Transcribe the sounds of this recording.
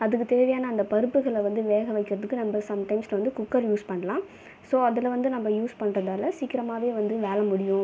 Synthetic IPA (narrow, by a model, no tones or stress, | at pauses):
ɐðɯkːɯt̪ɛɾɪʋɐjaːnɐːɪnd̪ɐpɐɾɯpːɯɣɐɭʋɐnd̪ɯʋeːɣɐʋɐɪkːɪɾɐðɯkːɯnɐmbɐsɐmʈɐɪmslɐʋɐnd̪ɯkʊkːɐɾjuːspɐɳːɐlãː | soːɐðɐlʋɐnd̪ɯnɐmːɐjuːspɐɳːrɐðaːlɐsiːkɪɾɐmaːʋeːʋɐnd̪ɯʋeːlɐmʊɽɪjʊ̃